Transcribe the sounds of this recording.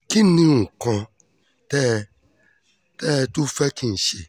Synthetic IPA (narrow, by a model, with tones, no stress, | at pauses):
ki˦nĩ˦ŋ̩˨kɔ̃˧ | tɛ˦˨ | tɛ˦˧˨tu˦fɛ˦ki˦n̩˨ʃe˨